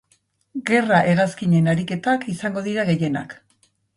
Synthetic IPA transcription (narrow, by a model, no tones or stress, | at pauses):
ɡe̞raʔe̞ɣaskiɲe̞naɾike̞t̪akisaŋɡo̞ðiɾaɣe̞je̞na̰k